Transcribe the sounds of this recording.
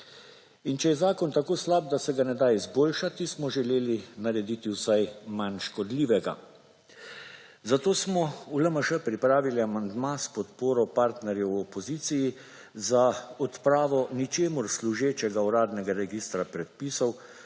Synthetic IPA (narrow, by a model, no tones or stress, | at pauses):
int͡ʃɛjɛzaːkɔnt̪akoːslab̚d̪asɛɡanɛd̪ajizboːlʃat̪ismɔʒɛleːlinaɾɛd̪it̪iwsajmanʃkɔd̪liːʋɛɡa̰ | zat̪oːsmɔuləməʃəpɾipɾaːʋiliamand̪maspɔt̪poːɾɔpaɾt̪nɛɾjɛwɔpɔziːt̪siji | zaɔt̪pɾaːʋɔnit͡ʃeːmuɾsluʒeːt͡ʃɛɡauɾaːd̪nɛɡaɾɛɡist̪ɾapɾɛt̪̚piːsɔw